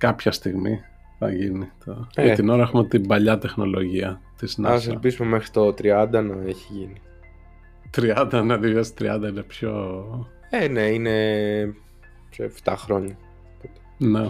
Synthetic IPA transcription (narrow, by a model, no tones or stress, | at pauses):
kɐpçɐst̪iɣmi | θɐ̰ʝinit̪ojɐt̪ino̞ɾɐexume̞t̪ibɐʎɐt̪e̞xno̞̰lo̞ʝiɐt̪iznɐselpizumemexɾit̪ot̪ɾiɐnd̪ɐnɐeçiʝini | t̪ɾiɐnd̪ɐnɐðivɐst̪ɾiɐnd̪ɐinepço̞ | eneine | psoeft̪ɐxɾo̞ɲɐ | t̪ot̪ | ne